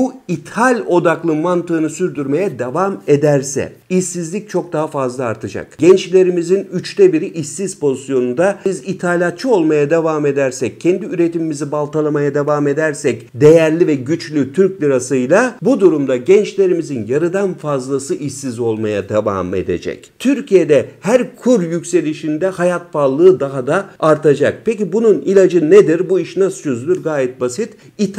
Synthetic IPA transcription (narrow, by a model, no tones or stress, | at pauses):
buit̪ʰalʲo̞d̪aklˠɯmant̪ɯːnɯsyɾd̪yɾme̞jɛd̪evamed̪æɾsɛ̰ | isːizlʲic̚t͡ʃʰo̞k̚d̪aɦafazlˠaːɾt̪ʰɯd͡ʒa̰kɟɛnt͡ʃlʲe̞ɾimizinyt͡ʃt̪ʰɛbiɾiʔisːiz̥po̞zisjo̞nund̪aizit̪ʰalʲat̪̚t͡ʃʰɯo̞lˠmajad̪evame̞d̪æɾsɛc̚ʰːɛnd̪iyɾe̞t̪ʰimimizibalˠt̪ʰalˠamajad̪evame̞d̪æɾsɛcd̪e̞jæɾlʲivɛɟyt͡ʃlʲyt̪ʰyɾclʲiɾasɯjlˠabud̪uɾumd̪aɟɛnt͡ʃlʲe̞ɾimizinjaɾɯd̪anfazlˠasɯʔisːizo̞lˠmajad̪eva̰mḛd̪e̞̰d͡ʒɛ̰ct̪ʰyɾcʰije̞d̪ɛhæɾkʰuɾjycʲse̞lʲiʃind̪ɛhajat̪falˠɯːd̪aɦad̪aaɾt̪ʰad͡ʒak̚pʰe̞c̬ibununilʲad͡ʒɯned̪iɾbuiʃnast͡ʃʰøzlʲyɾɡaːjɛt̪̚basit̪ | it̪ʰ